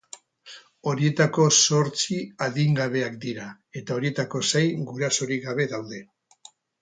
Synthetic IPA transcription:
o̞ɾie̞t̪ako̞so̞ɾt͡siaðiŋɡaβ̞e̞akd̪iɾa | e̞t̪ao̞ɾie̞t̪ako̞sejɡuɾaso̞ɾiɡaβ̞e̞ðawðe̞

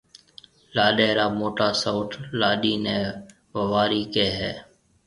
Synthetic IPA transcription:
laːɗeːɾaːmoːʈaːsaʊːʈlaːɗiːnɛ̃ː | ʋəʋaːɾiːkeːɦɛː

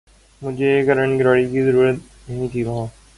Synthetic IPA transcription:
mʊd͡ʒʱeːkɐɾəɳɡɪɾaːɽikizəɾuːɾət̪̚ | nɐɦĩt̪ʰiʋɐɦãː

